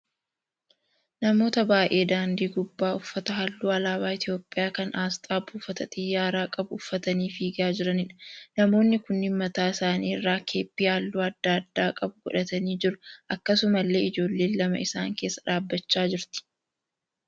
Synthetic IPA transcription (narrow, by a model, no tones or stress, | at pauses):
nɐmo̞ːt̪ɐbaːʔʔe̞ːd̪aːnd̪iːɡʊbːaːʊfːɐt̪ɐɦɐlːuːɐlaːβaːɪt̪jo̞ːpʼːɪjaːkɐnʔaːst̪ʼaːbuːfɐt̪ɐt̪ʼɪjːaːɾaːkʼɐbʊʊfːɐt̪ɐniːfiːɡaːd͡ʒɪɾɐnɪᶑɐnɐmo̞ːnːɪkʊnɪmːɐt̪aːɪsaːniːɪrːaːkʰe̞ːpːiːalːuːɐd̪ːaːɐd̪ːaːkʼɐbʊɡ̥ɔᶑɐt̪ɐniːd͡ʒɪɾʊʔɐkːɐsʊmɐlːe̞ːɪd͡ʒo̞ːlːeːnlɐmɐ̰ɪsa̰ːŋke̞ːsːɐ̥ᶑaːbːɐt͡ʃːaːd͡ʒɪɾt̪ɪ̥